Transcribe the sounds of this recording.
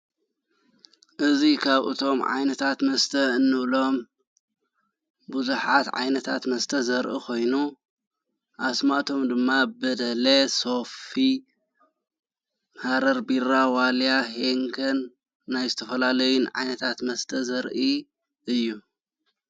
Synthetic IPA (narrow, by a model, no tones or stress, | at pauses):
ʔɨzikʰaβɨ̰t̪ʰo̞mʕa̰jnɐt̪ʰat̪mɐst̪ʰɐɨnːɨʔlo̞m | buzuħat̪ʕa̰jnɐt̪ʰa̰t̪mɐst̪ʰɐzɐɾʔikʰo̞jnu | ʔasmat̪ʰo̞md̪ɨmːabɐd̪ɐleso̞fi | mhaɾɐɾbiɾawaljaɦeŋkʰɐnː | ajzɨt̪ʰɐfɐlalɐjunʕa̰jnɐt̪ʰat̪mɐst̪ʰɐzɐɾʔi | ʔɨjːu